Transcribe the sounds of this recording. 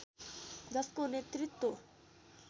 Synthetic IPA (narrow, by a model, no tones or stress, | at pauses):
d̪ɐskonet̪ɾɪt̪ːo